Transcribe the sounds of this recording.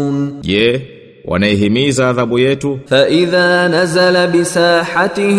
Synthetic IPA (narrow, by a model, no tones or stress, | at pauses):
nʄɛ | wʔa̰naɛɦimizaːðaɓujɛtufaʔɪðaːnazalabɪsaːħat̪ɪ